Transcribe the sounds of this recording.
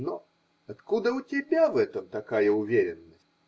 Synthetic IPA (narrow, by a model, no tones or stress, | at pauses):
no | ɐt̪kud̪əʊtʲɪbʲavɛt̪əmt̪ɐkajəʊvʲeɾʲɪnːəsʲtʲ